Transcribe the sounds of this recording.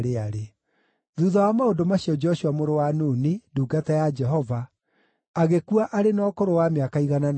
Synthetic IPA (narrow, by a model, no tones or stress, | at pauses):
ɾeaɾe | ðuðawamaondomaɕiɔd͡ʒɔɕuamoɾowanuːniduːɡatɛjad͡ʒɛɦɔva | aɣekuaʔaɾenɔːkoɾowameakaiɣanan